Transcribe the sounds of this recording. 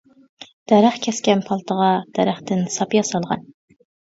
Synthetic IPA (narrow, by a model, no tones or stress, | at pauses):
d̪̥ɛɾæχkʲʰɛskʲɛnpʰɑlˠt̪ʰəʁɑd̪̥ɛɾæχt̪ɪnsɑpjɑsɑlˠʁɑ̰n